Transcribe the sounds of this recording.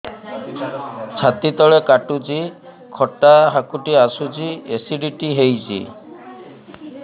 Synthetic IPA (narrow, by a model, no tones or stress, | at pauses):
t͡ʃʰat̪it̪ɔɭekaʈud͡ʒi | kʰɔʈaɦakuʈiasud͡ʒiesiɖiʈiɦejd͡ʒḭ